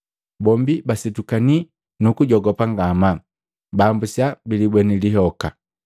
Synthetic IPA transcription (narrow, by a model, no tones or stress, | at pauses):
bɔmbibasitukani | nukuɟɔɡɔpaŋɡama | baːmbusjabilibwɛniliɦɔka